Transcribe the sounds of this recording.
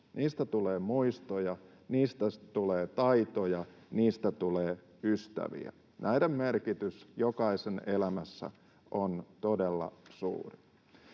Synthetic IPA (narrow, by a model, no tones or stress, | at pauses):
niːst̪æt̪uleːmuist̪ojɑ | niːst̪æt̪uleːt̪ɑit̪ojɑniːst̪æt̪uleː | yst̪æ̰ʋḭæ̰ | nʔæidemmerkit̪ysjokɑisenelæmæsːæ̰ | ʔont̪odelːɑ̰sṵːri